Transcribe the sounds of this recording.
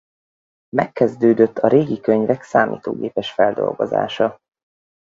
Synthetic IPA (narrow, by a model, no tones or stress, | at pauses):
mɛkːɛzd̪øːd̪øt̪ːɒɾeːɡikøɲvɛksaːmʔḭːt̪o̰ːɡeːpɛʃfɛld̪o̞̰lɡo̞̰za̰ːʃɒ